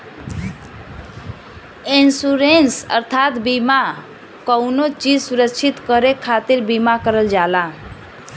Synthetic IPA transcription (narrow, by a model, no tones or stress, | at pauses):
insuɾensʌ̰ɾt̪ʰat̪bima | kʌwnot͡ʃid͡ʒsuɾəkt͡ʃʰit̪kʌɾekʰat̪iɾbimakʌɾəld͡ʒala